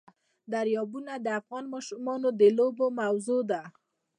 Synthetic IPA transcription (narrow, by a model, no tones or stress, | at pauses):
d̪aɾjɑbunad̪əafɣɑnmɑʃumɑnod̪əlobomawzod̪a